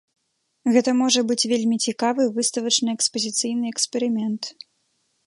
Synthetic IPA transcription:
ɣɛt̪ɐmɔʐɐbɨt͡sʲvʲelʲmʲit͡sʲikavɨvɨst̪ɐvɐt͡ʂnɨɛkspɐzʲit̪sɨjnɨɛkspʲɛɾɨmʲɛnt̪

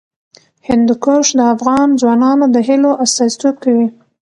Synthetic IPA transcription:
hɪnd̪ukoʂd̪əafɣɑnd͡zwɑnɑnod̪əɦɪloʔast̪ɑzit̪ob̚kawi

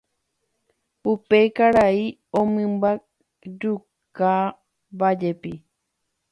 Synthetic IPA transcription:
upeikaɾai | omɨ̃mbak̚ | d͡ʒu | ka | bad͡ʒepi

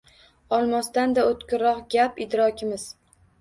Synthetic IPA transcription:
ɒlˠmast̪and̪aot̪kʲʊɾɒqɡʲapɪd̪ɾɒkʲʰɪmɪz̥

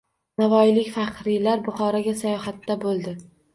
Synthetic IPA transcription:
navɒjlɪkʲfɑqɾijlaɾbʊχɒɾaɡʲasajɒhat̪ːabolˠd̪ɪ

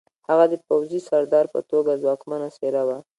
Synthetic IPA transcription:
haɣad̪əpawzisaɾd̪ɑɾpə̰t̪oɡazwɑkmanaseɾawa

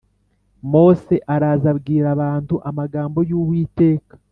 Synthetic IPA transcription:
mo̞ːse̞ʔaɾaːzabɡiːɾaβaːntuʔamaɡaːmbo̞juːβwiːte̞ːkḁ

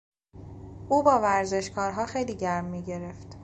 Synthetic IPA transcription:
ʔuːbɒːvæɾze̞ʃkʰɒːɾɦɒːxe̞jliːɟæɾmːiːɟe̞ɾe̞ft̪

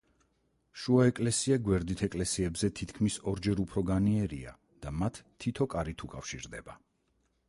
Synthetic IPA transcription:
ʃuaɛkʼlɛsiaɡwɛɾd̪it̪ʰɛkʼlɛsiɛbzɛt̪ʰit̪ʰkʰmisɔɾd͡ʒɛɾupʰɾɔɡaniɛɾḭa̰ | d̪̥amat̪ʰːit̪ʰɔkʼaɾit̪ʰukʼafʃiɾd̪ɛba

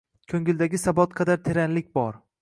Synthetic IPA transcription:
kʲʰɵŋɪld̪aɡʲɪsabɒt̪qʰɑd̪aɾt̪ʰe̞ɾanlɪk̚ʲbɒɾ

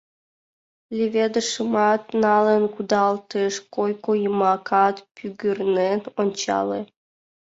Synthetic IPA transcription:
lʲevʲed̪ə̆ʃəmɑt̪nɑlə̆nkud̪ɑlt̪eʃkojkojəmɑkʰɑt̪pyɡʲyrnenonʲt͡ɕɑ̰le

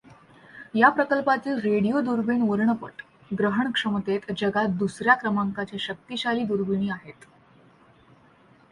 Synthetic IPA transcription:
japɾəkəlpat̪iːlɾeɽijod̪uɾbiɳʋəɾɳəpə̰ʈ | ɡɾəɦəɳkʂəmət̪et̪d͡ʑəɡat̪̚d̪usɾjakɾəmaŋkat͡ɕjaɕək̚t̪iɕaliːd̪uɾbiñiːaɦet̪

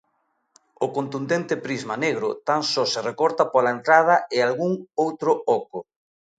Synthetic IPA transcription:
ʊkont̪und̪ent̪ɪpɾizmaneɣɾʊ̰t̪aŋsɔserekɔɾt̪ɐpolaent̪ɾað̞ɐɪalɣuŋowt̪ɾʊɔkʊ

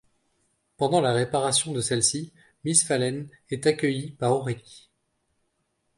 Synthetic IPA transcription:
pɑ̃d̪ɑ̃laʁepaʁasjɔ̃d̪əsɛlsi | misfalɛn | ɛt̪akʲəjipaʁɔʁikʲ

